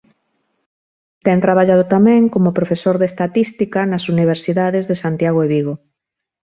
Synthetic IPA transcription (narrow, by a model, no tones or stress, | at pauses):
t̪ɛŋt̪ɾaβaʎað̞ot̪amɛ̃ŋkomopɾofesoɾðest̪at̪ist̪ikɐnɐsuniβ̞eɾsiðaðezðesant̪jaɣ̞oeβiɣo